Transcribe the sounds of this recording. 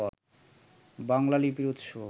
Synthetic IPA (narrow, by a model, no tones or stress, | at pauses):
ɔɾ | baŋlalibiɾod̪ʃo